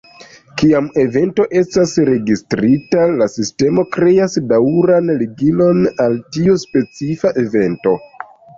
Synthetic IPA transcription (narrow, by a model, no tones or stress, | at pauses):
kiame̞ve̞nto̞ʔe̞stasɾe̞ɡistɾitalasiste̞mo̞kɾe̞asdaɾanliɡilo̞naltiuspe̞t͡sifaʔe̞ve̞nto̞